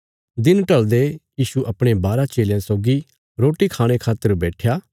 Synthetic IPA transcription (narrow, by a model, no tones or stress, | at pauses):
d̪ɪnʈɐld̪ejiːʃuʔɐpɽ̃ebaːɾat͡ʃeːljãsoːɡi | ɾoːʈikʰaːɽ̃ekʰaːt̪əɾbɛːʈʰjaː